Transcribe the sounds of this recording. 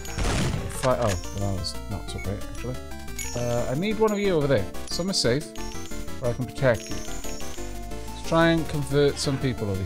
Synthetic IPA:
kʰw̥aɪʔoʊðə̃naɪwʌznə̰tsoʊɡ̥ɹeɪtæ̰k̚t͡ʃʉl̩ˠiʌa̰ɪniːd̚wʌ̃nʌvjɨoʊvəðəsʌ̃məz̥seɪfəɹaɪkə̃n̩pʰɹ̥ə̥tʰɛkʰjɨ̰ | stʰɹ̥aɪ̃ə̃nkʰə̃ɱvɜˑtsʌ̃mpiˑpəlˠəvə

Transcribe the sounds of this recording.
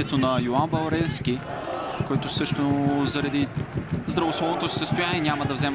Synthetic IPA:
ɛt̪onɐjoanbɐlˠɾɛlsk̟i | koɛt̪ʊsɤʃt̪ozɐɾɐd̪izd̪ɾɐvoslˠɔvnot̪osi̥səst̪ʊjanʲiɛnʲamɐd̪ɐvzɛm

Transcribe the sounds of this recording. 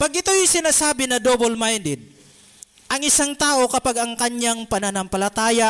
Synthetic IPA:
paɡ̚ɪt̪ojsɪnaːsaːbɪnɐd̪obolmajnd̪ɪd̪̚ | ʔɐŋɪsaŋt̪aːʔokɐpaɡɐŋkɐɲɲaŋpɐnanɐmpɐlɐt̪aːja

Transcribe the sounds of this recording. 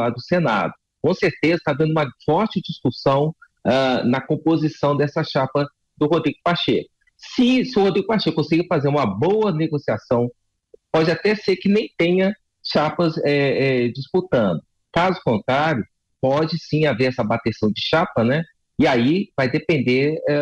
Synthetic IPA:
ad̪ʊsena̰d̪ʊ | kõseɾt̪ezɐt̪ad̪ɐ̃nd̪ʊũmɐfɔɾt͡ʃɪd͡ʒiskusɐ̃w̃ | ɛnɐkõpozisɐ̃w̃d̪ɛsɐʃapɐ | d̪ʊɦod̪ɾiɡʊpaʃekʊ | sɪsɪʊhod̪ɾiɡʊpaʃekõsiɡɐfazeɾũmɐbowɐneɡosiasɐ̃w̃ | pɔd͡ʒɪat̪ɛseɾkɪnẽj̃t̪ẽɲɐ | ʃapɐzɛɛd͡ʒisput̪ɐ̃nd̪ʊ | kazʊkõnt̪ɾaɾjʊ | pɔd͡ʒɪsĩaveɾɛsɐbat̪esɐ̃w̃d͡ʒɪʃapɐnɛ | ɪaivajd̪epẽnd̪eɾɛ

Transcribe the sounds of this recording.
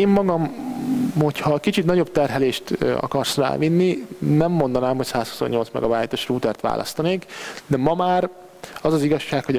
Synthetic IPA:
eːmːɒɡɒm | ho̞chɒkit͡ʃit̪nɒɟo̞b̚t̪ɛrɦɛleːʃt̪ɒ̰kɒrsra̰ːvinːinɛmːo̞nd̪ɒnaːmhocsaːshu̥so̞̰ɲːolt̪smɛ̰ɡɒvaːjt̪oʃruːt̪ɛrt̪ʋa̰ːlʔɒ̰st̪ɒneːkd̪ɛmɒmaːr | ɒzɒziɡɒʃːaːkho

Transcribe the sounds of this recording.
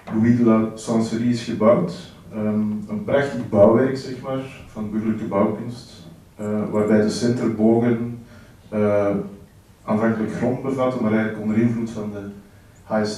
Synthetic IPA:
bəmɪdələsɑnsəɾiɪsxəbawt | əənprɑxtəɣbɑwʋɛrksɛxmaːrv̥ɑndəbɵrdələkəbɑwkʏnst | əʋaːrbɛjdəsɛntərboːɣən | aːnvɑŋkələkxrɔndbəvɑtənmaːɾɛɣənləkɔndəɾɪnvlutfɑndə | has

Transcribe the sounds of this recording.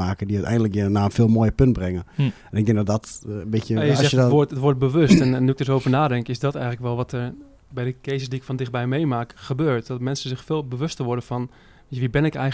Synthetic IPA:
aːkədiœɥtɛ̰jndələkjənaːənfɪːlˠmoːjəpønt̚brɛŋə | ɛnɪɡ̚dɪŋ̚dɔdɔtbɪtəəzɛxəʋoətʋʊɹt̚bəʋøstɛnnːuɪɡ̚døsowvərnaːdɛŋkɪsdɔtɛjɣələkʋɛlˠʋɔtər | bɛjdəkezəsdiɪkfɔndɪx̚bɛjmejmaːkχəbøːɹtdɔtmɛnsənzɪxfɪːlˠbəʋøstəʋʊɹdəfɔn | ʋibɪnɪkɛj

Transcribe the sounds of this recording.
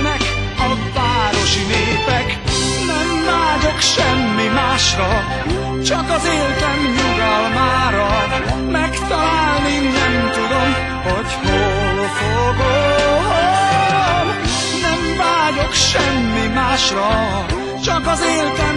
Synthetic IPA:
nɛk | ɒvaːɾo̞ʃineːpɛk | nɛmvaːɟo̞kʃɛmːimaːʃrɒ | t͡ʃɒkɒzeːlt̪ɛmɲuɡɒlmaːɾɒ | mɛkt̪ɒlaːlninɛmt̪ud̪o̞m | ho̞ɟho | lofoboo | nɛɱvaːɟo̞kʃɛmːimaːʃrɒ | t͡ʃɒkɒzeːlt̪ɛ

